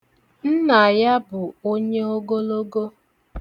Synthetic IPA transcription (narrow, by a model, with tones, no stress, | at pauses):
n̩˦na˨ja˦bʊ˨o˦ɲe˦o˦ɡo˦lo˦ɡo˦